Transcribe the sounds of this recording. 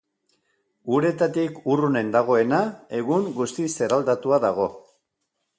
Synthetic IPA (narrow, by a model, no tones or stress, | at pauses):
uɾe̞t̪at̪ikurune̞nd̪aɣ̞o̞e̞nae̞ɣuŋɡust̪ise̞ɾald̪at̪uaðaɣ̞o̞